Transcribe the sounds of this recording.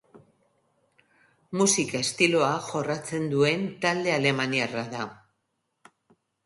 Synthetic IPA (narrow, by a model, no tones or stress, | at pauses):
musikae̞st̪ilo̞aʝo̞rat͡se̞nd̪ue̞nt̪ald̪e̞ale̞maniaraða